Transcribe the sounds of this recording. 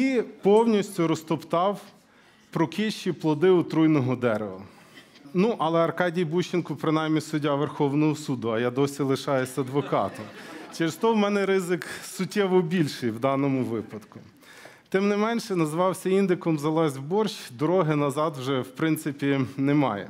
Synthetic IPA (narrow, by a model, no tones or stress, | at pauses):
ipɔwnʲisʲtʲʊɾɔst̪ɔpt̪ɑw | pɾɔkʲiʃt͡ʃiplˠɔd̪ɪʊt̪ɾujnɔɦɔd̪ɛɾḛʋɐ̰ | nuʔɐlˠɛɐrkɑdʲijbuʃt͡ʃɪnkɔpɾɪnɑjmnʲisʊdʲːaʋerxɔwnɔɦɔsud̪ʊɐjad̪ɔsʲilˠɪʃɑjesʲɐd̪ʋɔkɑ̰t̪ʊt͡ʃɪɾst̪ɔwmɛnɛɾɪzɪksʊtʲːɛʋɔbʲilʲʃɪjwd̪ɑnɔmʊʋɪpɐd̪kʊ | t̪ɪmnɪmɛnʃɛnɐzʋɑwsʲɐind̪ɪkɔmzɐlˠɑzʲbɔrʃd̪ɔɾɔɦɪnɐzɑd̪wʒɛwpɾɪnt̪sɪpʲinɛmɑ̰jɛ̰